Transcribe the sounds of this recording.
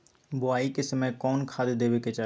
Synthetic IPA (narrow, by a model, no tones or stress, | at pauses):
bʊaːikɪsəmẽkɔːnkʰaːd̪d̪eːʋeket͡ʃaː